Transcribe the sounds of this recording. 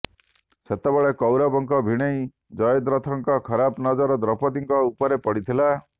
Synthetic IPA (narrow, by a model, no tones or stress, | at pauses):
set̪ebeɭekɔwɾabɔŋkɔbʱiɽ̃ej | d͡ʒɔjɔd̪ɾɔt̪ʰɔŋkɔkʰɔɾabnɔd͡ʒɔɾɔd̪ɾɔpɔd̪iŋkɔupɔɾepɔɽit̪ʰila